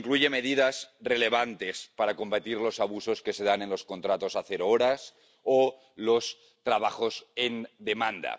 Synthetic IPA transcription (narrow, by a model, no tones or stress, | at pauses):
iŋkluʝe̞með̞ið̞azreleβ̞ant̪espaɾakombat̪iɾlo̞saβuso̞ske̞seð̞ane̞nlo̞skont̪ɾat̪o̞saθeɾooɾas | o | los | t̪ɾaβaxosend̪emãnd̪a̰